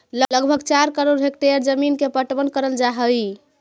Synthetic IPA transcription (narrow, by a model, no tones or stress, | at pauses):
lələɡbʱəɡt͡ʃaɾkəɾoɖɦekʈ̪eɾd͡ʒəminkepəʈbənkəɾəld͡ʒaɦəj